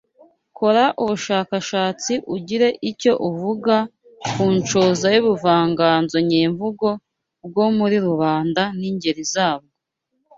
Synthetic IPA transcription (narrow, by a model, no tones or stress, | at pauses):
ko̞ɾaʔuβuʃaːkaʃaːt͡siʔuɟiɾe̞ʔico̞ʔuvuɡa | kuːnt͡ʃoːzajuβuvaːŋɡaːnzo̞ɲiːɱvuɡo̞ | bɡo̞muɾiɾuβaːndaniɲɟe̞ɾizaːβ̚ɡo